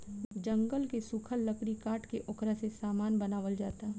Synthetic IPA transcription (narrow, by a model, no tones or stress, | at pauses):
d͡ʒɐ̃ŋɡəlkesukʰəlːəkɾikaːʈkeʔʊkɾasesaːmaːnbɐnaːʋəld͡ʒaːt̪a